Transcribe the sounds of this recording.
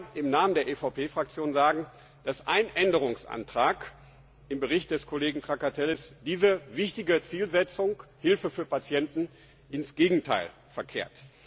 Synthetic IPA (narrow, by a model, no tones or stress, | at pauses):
ʔɪmnaːməndeːɐʔefaʊpʰeːfʁ̥ak̚t͡sjoːnzaːɡŋ̩ | d̥asʔa̰ɪnʔɛndəʁ̞ʊŋsʔa̰ntʁ̥aːk | ʔɪmbəʁɪçt̚d̥ɛskʰoleːɡŋ̩tʁ̥akatʰɛlɪsd̥iːzəvɪçtɪɡət͡siːlzɛt͡sʊŋkhɪlfəfyːɐpat͡sjɛntn̩ | ʔɪnsɡ̥eːɡŋ̩tʰa̰ɪl | fɛɐkʰḛːɐt